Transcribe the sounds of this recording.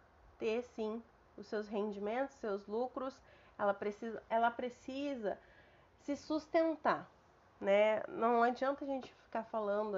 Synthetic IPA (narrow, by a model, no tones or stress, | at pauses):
t̪esĩ | ʊsewsɦẽnd͡ʒimẽnt̪ʊssewzlukɾʊs | ɛlɐpɾesizɐɛlɐpɾesizɐ | sɪsust̪ẽnt̪a | nɛnɐ̃w̃ad͡ʒiɐ̃nt̪ɐʒẽnt͡ʃɪ̥fi̥kafalɐ̃nd̪ʊ